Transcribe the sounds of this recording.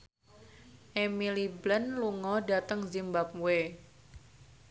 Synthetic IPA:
ʔemiliblənluŋɔdat̪əŋzimbap̚we

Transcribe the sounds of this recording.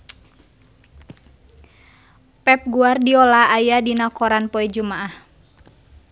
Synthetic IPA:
pɛp̚ɡuardiɔlaːjadinakɔɾanpɔɛd͡ʒumaʔah

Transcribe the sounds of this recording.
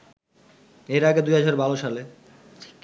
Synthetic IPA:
eɾaɡed̪ujɦad͡ʑʱaɾbaloʃale

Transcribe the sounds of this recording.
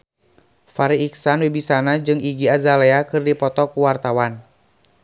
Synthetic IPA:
faɾiːksanwibisanad͡ʒɨŋiɡiazalɛakɨrdipɔt̪ɔkuwart̪awan

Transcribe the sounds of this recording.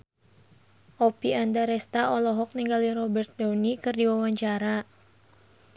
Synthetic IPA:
ʔopiandaɾɛst̪aɔlɔɦɔk̚niŋɡaliɾɔbɛrt̪̚dawnikɨrdiwawaɲt͡ʃaɾa

